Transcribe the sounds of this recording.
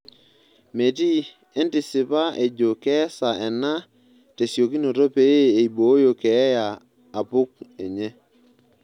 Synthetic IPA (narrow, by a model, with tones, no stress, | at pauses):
me˨ti˦ | e˦ntɪ˨sɪ˨pa˦ʔe˨d͡ʒo˨kɛ˦sa˨ɛ˨na˦ | te˨sjo˨ki˦no˨to˦pe˦je˦e˨i˨bo˨˦jo˨kɛ˨˦jaː˨ | pʊ˦k̚ɛ˨ɲɛ˦